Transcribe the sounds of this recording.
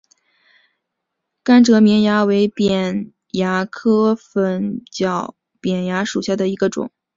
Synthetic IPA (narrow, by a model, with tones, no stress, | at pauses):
ka˥nʈ͡ʂɤ˧˥mjɛ˧˥nja˧˥we˧˥ɪpjɛ˨˩n | ja˧˥kʰɤ˥fə˧˥nt͡ɕjɑ˨˩ʊ | pjɛ˨˩nja˧˥ʂu˨˩ɕja˥˩d̪ə˩i˧˥ɡə˧ʈ͡ʂʊ̰˨˩˦ŋ